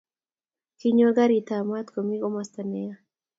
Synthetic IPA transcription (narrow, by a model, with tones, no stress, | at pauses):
ki˦ɲo˦ɡa˦ɾi˨t̪ama˦t̪ko˨mi˦ɡo˦mast̪a˨nɛja˦